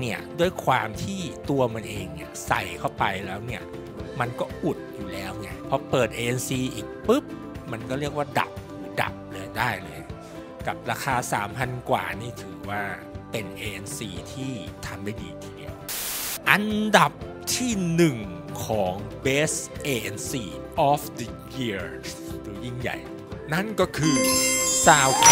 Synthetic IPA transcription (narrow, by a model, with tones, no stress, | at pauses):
ni˥˩ɐdu˥˩əjkʰwa̰ː˧mt̪ʰiː˥˩t̪u˧ɐma˧nʔeː˧ŋni˦˥˩ɐsa̰˨˩jkʰa˥˩wpa˧jlɛː˦˥wni˥˩ɐ | ma˧nkɔː˥˩ʔu˨˩t̪̚juː˨˩lɛː˦˥wŋa˥˩pʰɔ˦˥pɤː˨˩t̪̚ʔeː˧ʔe˧nsiː˧ʔiː˨˩k̚pɯ˦˥p̚ | ma˧nkɔː˥˩ɾi˥˩ək̚waː˥˩da̰˨˩p̚uː˨˩˦da̰˨˩p̚lɤː˧jdaː˥˩jlɤː˧j | ka˨˩p̚ɾaː˧xʰaː˧sa̰ː˩˦mpʰa˧nkwa̰ː˨˩niː˥˩t̪ʰɯː˩˦waː˥˩ | pe˧nʔeː˧ʔe˧nsiː˧t̪ʰiː˥˩t̪ʰa˧mma˥˩jdḭː˧t̪ʰiː˧dḭ˧əwʔa˧nda˨˩p̚ | t̪ʰiː˥˩nɯ˨˩ŋ | kʰɔː˩˦ŋbeː˦˥sʔeː˧ʔe˧nsiː˧ʔɔː˨˥fdə˧ | ji˧˩ə | duː˧ji˥˩ŋja̰˨˩j | na˥˩nkɔː˥˩kʰɯː˧saː˧˩w